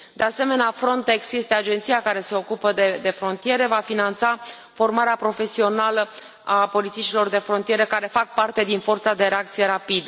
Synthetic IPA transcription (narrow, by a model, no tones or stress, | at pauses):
d̪e̞ase̞me̞neafɾo̞nt̪e̞ksje̞st̪e̞ad͡ʒe̞nt̪sijakaɾe̞se̞o̞kupəd̪ed̪e̞fɾo̞nt̪ije̞ɾe̞vafinant̪sa | fo̞rmaɾeapɾo̞fe̞sio̞nalə | apo̞lit̪sit͡ʃilo̞rd̪e̞fɾo̞nt̪ije̞ɾekaɾe̞fak̚part̪e̞d̪info̞rt̪sad̪e̞ɾeakt̪sije̞ɾapid̪ə